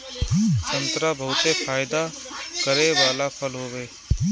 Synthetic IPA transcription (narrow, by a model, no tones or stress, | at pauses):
sə̃nt̪ɾabʱəʊt̪efʰaːjɪd̪a | kəɾeːʋaːlapʰəlɦoːʋeː